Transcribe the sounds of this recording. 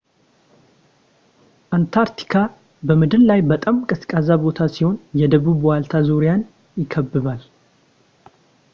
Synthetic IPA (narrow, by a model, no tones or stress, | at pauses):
ʔant̪ʰaɾt̪ʰi̥kʰa | bəmɨd̪ɨllajbət̪ʼamkʼɨskʼazabo̞t̪ʰasiho̞njɛd̪əβuβwalt̪ʰazuɾjan | jɪkʰːəbːɨβal